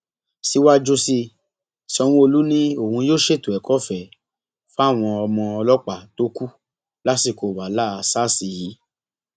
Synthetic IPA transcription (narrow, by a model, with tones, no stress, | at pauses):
si˧˦wa˦d͡ʒo˧si˧ | si˧˦ɔ˧w̃ũ˧o˧lu˦nĩ˦o˦˨hũ˧joː˦ʃe˦˨to˨ɛ˨kɔ˦fɛ˨ | fa˦˨w̃ɔ̃˧ɔ˧mɔ̃˧ɔ˧lɔ˦k͡pa˨to˦ku˦ | la˦si˧˨ko˨wa˨la˦˨a˧sa˦˨si˧ji˨˦